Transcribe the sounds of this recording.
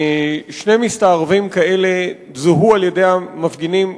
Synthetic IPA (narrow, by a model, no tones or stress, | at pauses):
ʃnemistaːʁvimkae̞le̞ | zuɦualjede̞jhamafɡinim